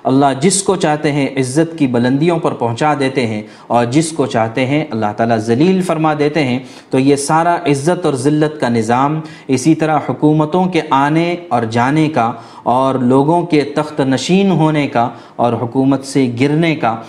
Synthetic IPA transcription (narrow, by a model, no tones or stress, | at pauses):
ɐlːaɦd͡ʒɪskot͡ʃaːɦt̪eɦɛ̃ʔɪzːət̪kibɐlə̃nd̪ijõpɐɾpɐɦʊ̃t͡ʃad̪eːt̪eɦɛ̃ | ɔːɾd͡ʒɪskot͡ʃaːɦt̪eɦɛ̃ʔɐlːaɦt̪aːlazɐliːlfɐɾmad̪eːt̪eɦɛ̃ | t̪ojesaːɾaʔɪzːət̪ɔːɾzɪlːət̪kanɪzaːm | ɪsit̪ɐɾaɦhʊkuːmət̪õkeʔaːneɔːɾd͡ʒaːneka | ɔːɾloːɡõket̪ɐxt̪nɐʃiːnɦoːneka | ɔːɾɦʊkuːmət̪seɡɪɾneka